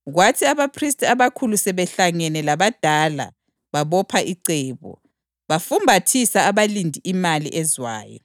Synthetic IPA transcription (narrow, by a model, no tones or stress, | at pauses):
ɣwatʰiaβapʰristʼaβakʰulusɛβɛɬaŋɛnɛlaβad̥ʱaːla̰ | βaβɔpʰaʔiǀɛːβɔ̰ | βafumbʱatʰisaːβalindʱiimalḭʔɛzwa̰ːjɔ̰